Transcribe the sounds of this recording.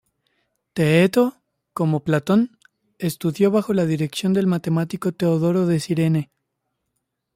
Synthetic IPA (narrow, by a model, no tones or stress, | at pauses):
t̪eet̪o̞ | ko̞mo̞plat̪o̞n | e̞st̪uðjo̞βaxo̞lað̞iɾe̞ksjo̞nd̪e̞lmat̪e̞mat̪iko̞t̪e̞oðo̞ɾo̞ðe̞siɾe̞ne̞